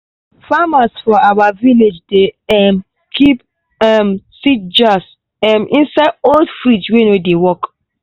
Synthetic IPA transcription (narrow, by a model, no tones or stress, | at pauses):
famasfɔawaviled͡ʒdeɛm | kʰip | ɛmsid͡ʒas | ɛmʔĩnsaɪdoldfɹid͡ʒwenodewɔk